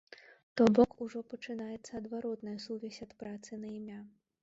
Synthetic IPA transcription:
t̪ɔbɔkuʐɔpɐt͡ʂɨnajɛt̪sːɐːd̪vaɾɔt̪nɐjɐsuvʲɛsʲɐt̪pɾat̪sɨnɐimʲa

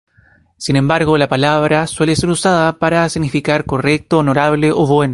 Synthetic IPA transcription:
sine̞mbaɾɣolapalaβɾaswe̞lese̞ɾusaðapaɾasiɣnifikaɾko̞rek̚t̪oːno̞ɾaβle̞ʔoβwe̞no

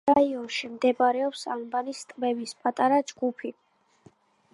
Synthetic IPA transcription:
aiɔnʃimd̪ɛbɾɛɔpsa̰mbanist̪ʼmɛbispʼat̪ʼaɾad͡ʒɡupʰi

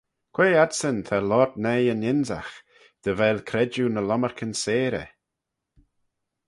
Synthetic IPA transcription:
kʰweːad̪sənt̪ʰalɔd̪nɛjənɪnza̰x | d̪̥əvɛlkʰɾɛd͡ʒunəlɔməɹkʰənseːɾə̰

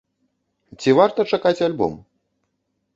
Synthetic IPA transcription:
t͡sʲivart̪ɐt͡ʂakat͡sʲalʲbɔ̰m

